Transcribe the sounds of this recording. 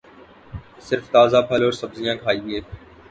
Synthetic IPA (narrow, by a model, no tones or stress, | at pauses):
sɪɾft̪aːzaːpʰəloːɾsəbzijãːkʰaːiːbɪeː